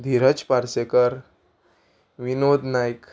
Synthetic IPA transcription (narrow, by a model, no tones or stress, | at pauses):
d̪ʱiɾət͡spaɾsekəɾ | ʋinod̪najk